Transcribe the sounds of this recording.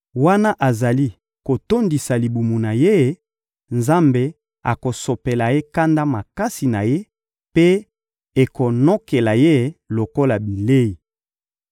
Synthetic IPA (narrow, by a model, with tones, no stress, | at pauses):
wa˦na˦ʔa˨za˨li˦ | ko˨to˦ndi˨sa˨li˨bu˨mu˨na˨je˦˨˦ | nza˦mbe˨ | a̰˨ko˨so˨pe˨la˨je˦ka˦nda˦ma˨ka˦si˨na˨je˦ | pe˦ | e˨ko˨no˦ke˨la˨je˦˨lo˨ko˦la˨bi˨le˦i˨